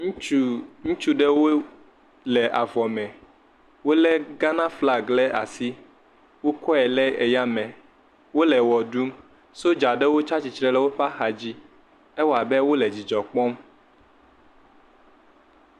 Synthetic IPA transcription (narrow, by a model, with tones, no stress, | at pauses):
ŋũ˦t͡ʃu˦ɖɛ˦wo˦ | lɛ˨ʔa˨vɔ˨mɛ̃˨ | wo˦lɛ˦ɡa˦nã˦fla˦˨ɡlɛ˦ʔa̰˨si˦ | wo˦kɔ˦ɛ˨lɛ˦e˨ja˦mɛ̃˨ | wo˦lɛ˨wɔ˨ɖu˦m | so˦d͡ʒa˨ɖɛ˦wo˦t͡ʃa˦t͡ɕi˨t͡ʃɾɛ˦lɛ˦wo˦ɸa˦xa˨d͡ʑi˦ | ɛ˦wa˨bɛ˦wo˦lɛ˨d͡ʑi˨d͡ʒɔ˨k͡pɔ˦m